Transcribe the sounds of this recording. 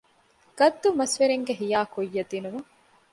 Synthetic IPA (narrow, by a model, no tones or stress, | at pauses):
ɡ̥ɐd̪ːumɐsʋeɾeŋɡeɦijaːkojːɐd̪inumɐ